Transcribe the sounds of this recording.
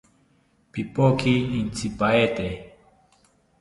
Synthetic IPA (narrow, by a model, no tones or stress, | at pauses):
pipokiːnt͡sʰipaet̪e